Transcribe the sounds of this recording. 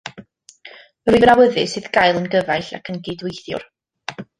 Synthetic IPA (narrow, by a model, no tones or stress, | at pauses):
rivnawəðɨsɨðɡ̥ajlˠənɡəvajɬa̰kʰənɡejdwɪjθjʊ̰r